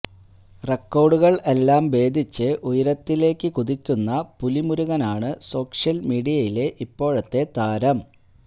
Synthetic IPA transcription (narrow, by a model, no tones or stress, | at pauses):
re̞kːo̞ːɖuɣɐɭe̞lːaːmʋe̞ːd̪ʱit͡ɕːɨʔujɐɾɐt̪ːile̞ːkːɨkuðikʲːunːɐpulimuɾuɣɐnaːɳɨso̞ːkʂjɐlmiːɽijɐjile̞ʔipːo̞ːɻɐt̪ːe̞t̪aːɾɐm